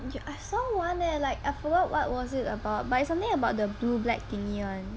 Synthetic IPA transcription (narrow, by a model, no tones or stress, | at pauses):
juʔaɪsɔwɔ̃ndəlaɪkaɪfɔɡɔt̚wɔ̰t̚wɔsɪtəbaʊt̚batɪtsãmt̪ɪ̃ŋəbaʊt̚dəblublɛ̰k̚tĩniɔ̃n